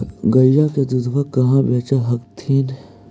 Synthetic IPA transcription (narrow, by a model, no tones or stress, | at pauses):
ɡɐljaked̪ud̪ʋɐkɐɦãbeːt͡ʃaɦɐkt̪ʰiːn